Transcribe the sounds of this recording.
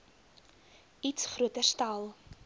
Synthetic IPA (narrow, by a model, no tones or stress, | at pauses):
itsχruətərstalˠ